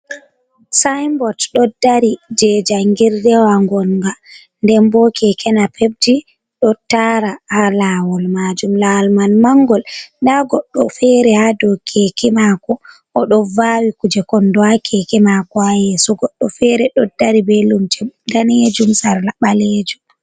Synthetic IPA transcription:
sajmbɔtɗɔdːaɾid͡ʒɛd͡ʒaŋɡiɾdɛwaŋɡɔnɡa | ndɛmbɔkʰɛkʰɛnapʰeb̚di | ɗɔtaɾahalawɔlmad͡ʒumlawlmanmaŋɡɔldaɡɔɗːɔfɛɾɛhadɔkʰekɛmakɔ | ɔɗɔvawikud͡ʒɛkɔndɔakʰekɛmakɔajɛsɔɡɔɗːɔfɛɾɛɗɔdːaɾibɛlumtʰɛdanɛd͡ʒumsaɾlaɓaleːd͡ʒu

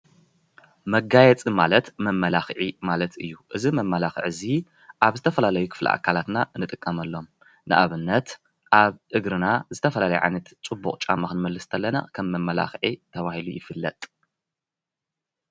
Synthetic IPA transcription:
mɐɡajɛt͡sʼimalɐt̪mɐmːɐlaxʕimalɐt̪ɨjːuʔɨzimɐmːɐlaxɨ̰ʕɨzi | ʔaβzɨt̪ʰɐfɐlalɐjukʰɨ̥flḭʔa̰kʰalat̪naɨnɨt̪ʼɨkʼːɐmɐlːo̞m | nɨʔaβɨnːɐt̪ | ʔaβʔɨɡɾɨnazɨt̪ʰɐfɐlalɐjɛʕa̰jnɐt̪t͡sʼubːuχʼt͡ʃʼa̰mːaxɨnmɐlːɨst̪ʰɐlːɐna̰kʰɐmːɐmːɐla̰xʕit̪ʰɐβahilujɪfɨlːɐ̰t̪ʼ

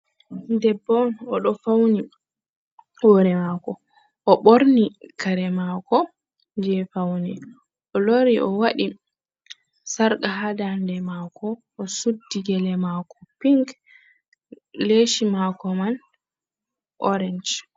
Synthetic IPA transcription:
ndɛbːɔnɔɗɔfawni | woɾɛmakɔ | ʔɔɓoɾnikaɾɛmakɔ | d͡ʒɛfawnɛ | ɔloɾiʔɔwaɗi | saɾkaɦadandɛmakʰɔː | sudːiɡɛlɛmakɔ̥piŋk | leʃimakɔman | ʔɔɾɛnd͡ʒ

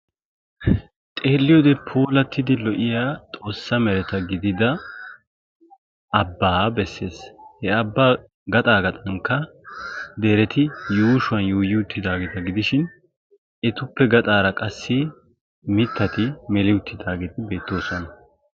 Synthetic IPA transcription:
t̪ʼeːlːɪjod̪ɛpʰuːlɐt̪ːɪd̪ɪlɔʔɪjaːt̪ʼo̞ːsːɐmɛɾɛt̪ɐɡɪd̪ɪd̪ɐ | bːaːbɛsːe̞ːshɛɐbːaː | ɡɐt̪ʼaːɡɐt̪ʼɐŋkːɐ | d̪eɾɛt̪ɪjuːʃʊɐnjuːjɪʊt̪ːɪd̪aːɡet̪ɐɡɪd̪ɪʃɪn | ɛt̪ʊpːɛɡɐt̪ʼaːɾɐkʼɐsːɪ | mɪt̪ʰːɐt̪ɪmɛlɪʊt̪ːɪd̪aːɡet̪ɪbe̞ːt̪ːo̞ːsɔnɐ

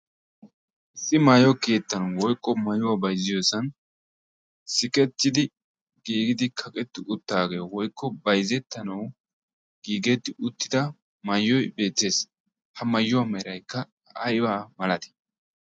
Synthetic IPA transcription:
ʔɪsːɪmaːjɔke̞ːt̪ːɐnɐwwɔjkʼːɔmɐjʊwaːbɐjzɪjosɐn | sɪkʼɛt̪ːɪd̪ɪ | ɡiːɡɪd̪ɪkʰɐkʼɛt̪ːɪʔʊt̪ːaːɡejwɔjkːɔbɐjzɛt̪ːɐnɐw | ɡ̥iːɡɛt̪ːɪʔʊt̪ːɪd̪ɐ | mɐjːɔjbe̞ːt̪ːe̞ːs | hɐmɐjːʊwaːmɐɾɐjkːɐ | ɐjbaːmɐlɐt̪ɪ̥

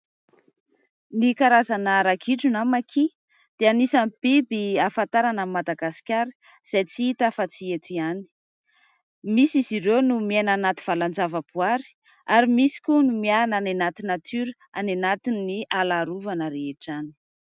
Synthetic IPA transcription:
nikaɾazanəɾakiʈ͡ʂunamakʰi | d̪̥eanisanib̥ibiafant̪aɾanammːad̪aɡasi̥kʲaɾi̥ | z̥ajt͡siit̪afat͡siet̪iani̥ | misiziɾewnumenanat̪i̥v̥aland͡zavəb̥uaɾi̥ | aɾimisi̥kʲunumiananenat̪inat̪ʰyɾə | a̰nenat̪inːialaɾuvanəɾeeʈ͡ʂani̥

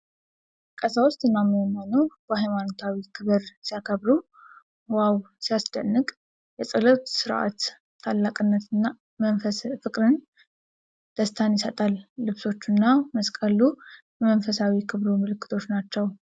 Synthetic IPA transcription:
kʼəsawʊst̪ʼɨnːaməmːanowb̥əhajmanot̪ʰawikʰɨβɨɾsijakʰəβɾu | waw | sijasd̪ənːɨkʼ | jɛsʼɨlət̪sɨɾʔa̰t̪ʰː | alːakʼɨnːət̪ʰɨnːa | mənfəfɨkʼɾɨn | d̪̥əst̪ʰanjɪsət̪ʼalːɨβso̞t͡ʃːunːaməskʼəlujɛmənfəsawikʰɨβɾumɨlɨkːɨ̥t̪ʰo̞t͡ʃːnat͡ʃːɛw

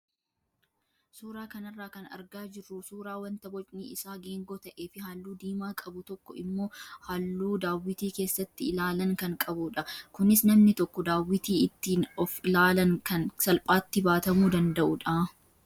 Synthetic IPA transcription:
suːɾaːkɐnɐrːaːkɐnɐ̰ɾɡaːd͡ʒɪrːusuːɾaːwɐnt̪ɐbɔt͡ʃʼniːɪsaːɡeːŋɡoːt̪ɐʔe̞ːfɪɦaːlːuːd̪iːmaːkʼɐbʊt̪ɔkːɔɪmːo̞ːhɐlːuːd̪aːwːɪt̪iːke̞ːsːɐt̪ːɪɪlaːlɐŋkɐŋkʼɐbuᶑɐkʊnɪsnɐmnɪt̪ɔkːɔd̪aːwːɪt̪iːɪt̪ːiːnɔflaːlɐŋkɐnsɐlpʼaːt̪ːɪbaːt̪ɐmuːd̪ɐnd̪ɐʔʊᶑɐ

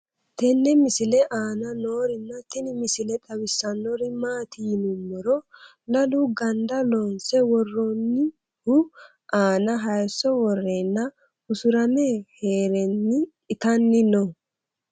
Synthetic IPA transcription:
t̪ɛnːɛmɪsɪlɛʔaːnɐno̞ːɾɪnːɐt̪ɪnɪmɪsɪlɛt̪ɐwɪsːɐnɔɾɪmaːt̪ɪjɪnʊmːɔɾɔ | lɐluɡɐnd̪ɐlonsɛwɔrːɔnːɪ | hʊ | ʔaːnɐɦɐjsːɔwɔrːeːnːɐ | ʊsʊɾɐmeːheːɾɛnːɪkʼɪt̪ɐnːɪnɔ

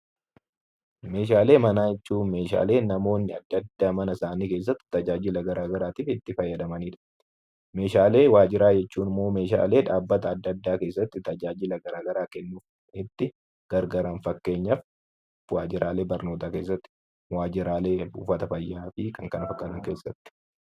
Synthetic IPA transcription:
me̞ːʃ̬aːle̞ːmɐnaːjɛt͡ʃːuːme̞ːʃa̰ːle̞ːnɐmo̞ːnːɪɐ̰d̪ːɐd̪ːaːmɐnɐsaːniːke̞ːs̬ːɐt̪ːɪ̥t̪ɐd͡ʒaːd͡ʒɪlɐɡɐɾʔaːɡɐɾaːt̪iːfɪt̪ːɪfɐjːɐd̪ɐmɐniːᶑɐ̥ | me̞ːʃaːle̞ːwaːd͡ʒɪɾaːd͡ʒɛt͡ʃːuːnɪmːo̞ːme̞ːʃa̰ːle̞ːᶑaːbːɐt̪ɐːd̪ːɐd̪ːaːke̞ːsːɐt̪ːɪt̪ɐd͡ʒaːd͡ʒɪlɐɡɐɾaːɡɐɾaːkɛnːuːf | ɪt̪ːɪ | ɡ̥ɐɾɡɐɾɐnfɐkːe̞ːɲːɐf | waːd͡ʒɪɾʔaːle̞ːbɐɾnoːt̪aːke̞ːs̬ːɐt̪ːɪ̥ | waːd͡ʒɪɾaːle̞ːbṵːfɐt̪ɐfɐjːaːfɪkɐŋkɐnɐfɐkːɐnɐŋke̞ːsːɐt̪ːɪ̥

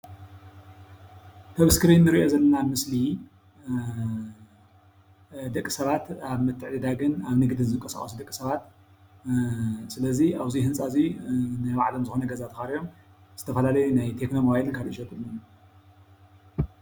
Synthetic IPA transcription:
t̪ʰɐβɨskɨɾinːɨɾiʔo̞zɐlːɐnamɨsli | d̪ɐkʼːisɐβat̪aβmɨt̪ʰːɨʕd̪id̪aɡɨnaβnɨɡd̪ɨnzɨŋkʼɐsa̰xʼɐsd̪ɐkʼisɐβat̪ | sɨlɐziʔaβzihɨnsʼazinajβaʕlo̞mzɨxo̞nɐɡɐzat̪ʰɨxaɾijo̞m | z̥ɨt̪ʰɐfɐlalɐjunajt̪ʰe̞knomoβajlɨnkʰalʔiʃɐt̪ʼɨlːun

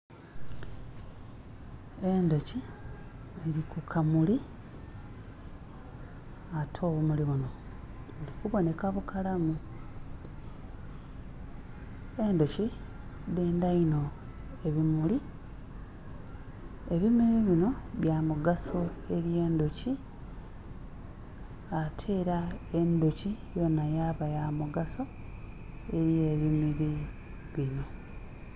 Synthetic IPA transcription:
endo̞ci | βiɾikʰukʰamuli | atʰo̞ːβumuliβuno̞ | βulikuβo̞ne̞kaβukʰalamu | endo̞ci | deːndaino̞ | e̞βimuli | e̞βimiɾiβino̞βjaːmuɡaso̞e̞ɾje̞ːndoci | atʰe̞ːɾae̞ndocijo̞najaːβajamuɡaso̞ | e̞ɾije̞βimiɾi | βino̞

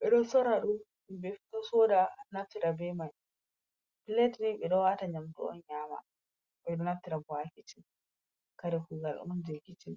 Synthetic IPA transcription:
ɓɛɗɔsɔɾaɗu | bɛtɔsɔdanaftiɾabɛman | piletɾiɓɛɗɔwataɲamtɔɔ̰nɲaːma̰ | ɓɛɗɔnaftiɾabɔakit͡ʃin | kaɾɛfuɡalɗṵmnd͡ʒekit͡ʃin

